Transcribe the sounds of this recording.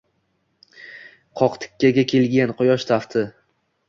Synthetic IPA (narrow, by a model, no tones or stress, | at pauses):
qʰɒqt̪ʰɪ̥kʲʰːaɡʲakʲʰe̞lɡʲanqʊjɒʃt̪ʰaft̪ʰɪ